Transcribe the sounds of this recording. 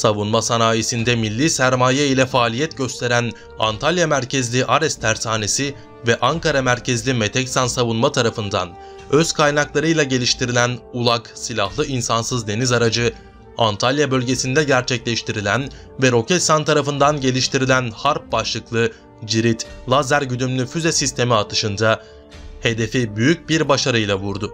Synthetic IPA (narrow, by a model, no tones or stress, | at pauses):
savunmasanaːjesind̪ɛmilʲːiːsæɾmaːjɛilʲɛfaːlʲijɛt̪ɟø̞st̪ʰe̞ɾæn | a̰nt̪ʰalʲjamæɾcʰezlʲiʔaɾɛst̪ʰæɾsʰaːne̞si | vɛʔaŋkaɾamæɾcʰezlʲime̞t̪ʰɛcsansavunmat̪ʰaɾafɯnd̪a̰n | øz̥kʰajnaklˠaɾɯjlˠaɟe̞lʲiʃt̪ʰiɾilʲænulˠaksilʲahlˠɯinsansɯzd̪e̞nizaɾad͡ʒɯ | ant̪ʰalʲjabø̞lʲɟe̞sind̪ɛɟæɾt͡ʃʰɛclʲɛʃt̪ʰiɾilʲæn | vɛɾo̞cʰɛt̪sant̪ʰaɾafɯnd̪anɟe̞lʲiʃt̪ʰiɾilʲænhaɾp̚baʃlˠɯklˠɯ | d͡ʒiɾit̪lˠazæɾɟyd̪ymlʲyfyzesist̪ʰe̞miat̪ʰɯ̥ʃɯnd̪a | he̞d̪e̞fibyjyc̚biɾbaʃaɾɯjlˠavuɾd̪ʊ